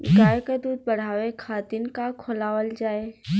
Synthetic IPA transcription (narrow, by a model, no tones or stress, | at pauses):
ɪɡaːjkəd̪uːd̪̚bɐɽ̤aːʋekʰaːt̪inkakʰoːlaːʋəld͡ʒaːe